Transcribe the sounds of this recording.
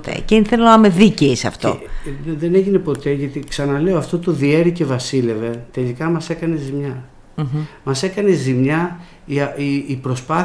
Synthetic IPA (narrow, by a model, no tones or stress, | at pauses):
t̪ḛceinθeloɐmeðiceisɐ̰ft̪o̰nðeneʝine̞po̞t̪e̞ʝɐt̪iksɐnɐle̞oɐft̪o̞t̪oðie̞ɾice̞vɐsile̞ve̞t̪e̞likɐmɐse̞kɐnezimɲɐ | mɐse̞kɐne̞zimɲɐ | iɐiːpɾo̞spɐ